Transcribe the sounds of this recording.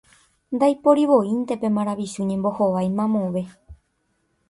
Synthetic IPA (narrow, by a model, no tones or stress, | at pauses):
nd̪ajpo̞ɾiʋo̞ĩnt̪e̞pẽ̞mãɾ̃aʋiʃuɲẽ̞mbo̞hoʋajmãmõʋe̞